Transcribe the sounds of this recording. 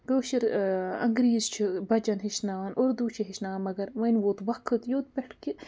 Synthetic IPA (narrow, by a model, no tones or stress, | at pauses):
d̪oːʃiɾɐ̰ŋɡɾiːzt͡ʃʰibɐd͡ʒɐnɦiʃnaːʋɐnoɾd̪ut͡ʃʰiɦiʃnaːmɐɡɐɾʋɐnʲʋot̪ʋɐkʰɨt̪joːt̪̚peʈki